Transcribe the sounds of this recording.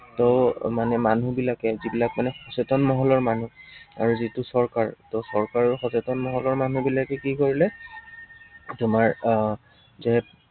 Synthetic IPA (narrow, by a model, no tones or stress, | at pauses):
tɔmanɛmanubilakɛzibilak̚manɛxɔsetɔnmɔɦɔlɔɹmanua̰ɹuzitusɔɹkaɹtɔsɔɹkaɹxɔsetɔnmɔɦɔlɔɹmanubilakɛkikoɹilɛ | tʊmaɹ | zɛ